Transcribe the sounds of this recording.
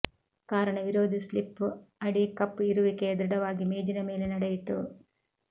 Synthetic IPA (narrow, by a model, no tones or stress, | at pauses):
kaːɾɐɳɐʋiɾoːd̪ʱislipːuɐɽikɐpːiɾuʋiked̪ɾɐɽɐʋaːɡimeːd͡ʒinɐme̞ːlenɐɽejit̪ṵ